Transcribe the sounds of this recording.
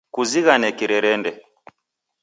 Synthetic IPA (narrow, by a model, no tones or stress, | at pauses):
kuziɣanɛkiɾɛɾɛndɛ